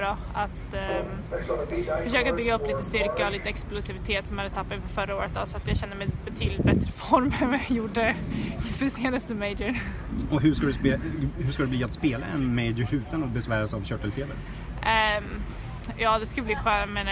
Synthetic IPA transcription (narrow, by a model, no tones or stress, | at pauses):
ɾɑː | at̪ | fœʂøːkabʏɡːaɵpːliːt̪əst̪ʏɾkəɔliːt̪əɛksplʊsɪvɪt̪ʰeːt̪sɔmhad̪ət̪ʰapːat̪ɪfœɾfœɾaoːɾət̪̚d̪ɔ̰sɔat̪jɑːɡɕɛnːəmɛjbɛt̪ʰyːd̪lɪt̪̚bɛt̪ɾəfɔɾməɛjuɖːəfœseːnast̪əmeɪd͡ʒəɾ | ɔɦɵʂkad̪ɛp̪ːhʉʂkad̪ɛbliːat̪speːla̰ɛnmeɪd͡ʒəhʉ̟ːt̪anɔbɛsvæːɾasavɕœʈːɛlfeːlə̰ɾ | jɑːd̪ɛskaləbliːɧøːmɛn